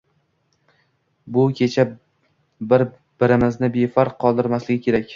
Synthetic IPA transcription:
bʊkʲʰe̞t͡ʃʰa | bɪɾ | b̥ɪɾɪmɪznɪbe̞faɾqʰːɒlˠd̪ɪɾmaslɪɡʲɪkʲʰe̞ɾakʲ

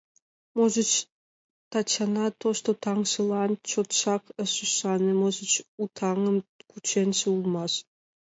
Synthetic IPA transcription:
moʒət͡ɕ | t̪ɑt͡ɕɑnɑt̪oʃt̪ot̪ɑŋʃəlɑnt͡ɕot̪ʃɑkəʃəʃɑnemozə̆t͡ɕut̪ʰɑŋə̆mkut͡ɕenʃeulˠmɑʃ

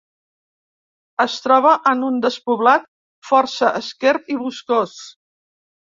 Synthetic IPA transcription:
əst̪ɾɔβ̞əʔənund̪əspuβlat̪̚ | fɔɾsəʔəskɛɾt̪iβuskos

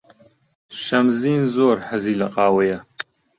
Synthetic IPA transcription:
ʃɐmziːnzoːɾħɐziːlɐqʼaːwɐjɐ

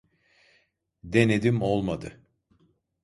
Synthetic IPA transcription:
d̪ened̪imolˠmad̪ɯ̰

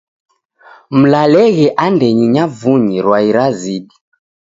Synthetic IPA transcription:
m̩lalɛɣɛʔandɛɲiɲavuɲiɾwaiɾaziɗi

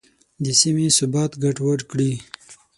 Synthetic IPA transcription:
d̪əsimesʊbɑːt̪ɡaʈwaɾkɽi

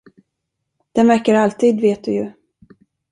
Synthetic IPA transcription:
d̪̥ɛnvæɾkaɾalt̪ʰiːd̪veːt̪̚d̪ɵjɵ

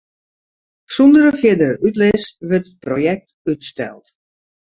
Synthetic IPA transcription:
sundəɾəfjɪdəytlɪsʋətət̚projɛk̚t | ytstɛ̰lˠt

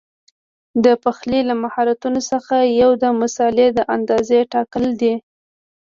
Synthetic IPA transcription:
d̪əpaxlilamahɑɾat̪unosəxajawd̪əmʊsɑled̪əʔand̪ɑzeʈɑkəld̪i

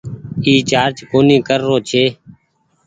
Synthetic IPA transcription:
iːt͡ʃaːɾt͡ʃkoːniːkəɾːoːt͡ʃʰeː

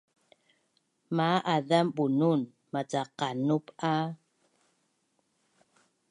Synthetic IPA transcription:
maʔadamɓunun | mat͡saqanupa

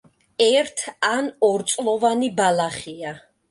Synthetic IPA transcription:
ɛɾt̪ʰanɔɾt̪sʼlˠɔvanibalaχia

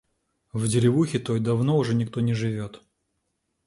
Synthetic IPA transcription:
vdʲɪɾʲɪvuxʲɪt̪ojd̪ɐvnoʊʐɛnʲɪk̚t̪onʲɪʐɨvʲo̞t̪

